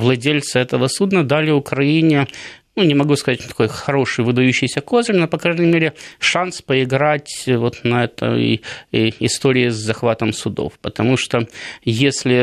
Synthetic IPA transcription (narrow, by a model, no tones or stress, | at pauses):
vlˠɐdʲelʲt̪sɨɛt̪əvəsud̪nəd̪alʲɪʊkɾɐinʲɪnunʲɪmɐɡuskɐzatʲt̪ɐ̥kojxɐɾo̞ʂɨjvɨd̪ɐjʉɕːɪjsʲəkozlʲnopɐkɾajnʲəɪmʲeɾʲɪʂanspəɪɡɾatʲvo̞t̪nɐɛt̪ə̰ | ɪst̪oɾʲɪɪzzɐxvat̪əmsʊd̪o̰fpət̪ɐmuʂt̪ojesʲlʲɪ